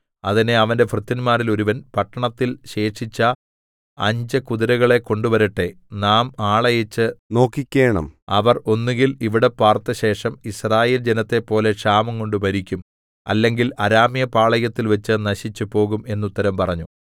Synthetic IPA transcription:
ɐðine̞ɐʋɐnde̞frɨt̪ːɐnmaːɾilo̞ɾuʋɐnpɐʈːɐɳɐt̪ːilɕe̞ːʂit͡ɕːɐ | ɐ̰ɲd͡ʑɐkuðiɾɐɣɐɭe̞ko̞ɳɖuʋɐɾɐʈːe̞ | naːmaːɭɐjɐt͡ɕːɨno̞ːkːikʲːe̞ːɳɐ̰mɐʋɐro̞nːiŋɡiliʋiɽe̞pːaːrt̪ːɐɕe̞ːʂɐmisraːje̞ːld͡ʑenɐt̪ːe̞pːo̞ːle̞ʂaːmɐmko̞ɳɖɨpɐɾikʲːum | ɐ̰lːe̞ŋɡilɐɾaːmijɐpaːɭɐjɐt̪ːilʋet͡ɕːɨnɐɕit͡ɕːupo̞ːɣume̞nːut̪ːɐɾɐmpɐrɐɲːu

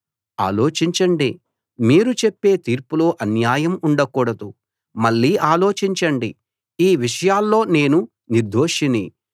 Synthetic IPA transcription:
a̰ːlo̞ːt͡ʃiɲt͡ʃɐɳɖi | miːɾut͡ʃepːe̞ːt̪iːɾpulo̞ːʔɐnjaːjɐmuɳɖɐkuːɽɐd̪u | mɐɭːiːʔaːlo̞ːt͡ʃiɲt͡ʃɐɳɖi | iːʋiʂɐjaːlːo̞ːne̞ːnu | niɾd̪ʱo̞ːʂinḭ

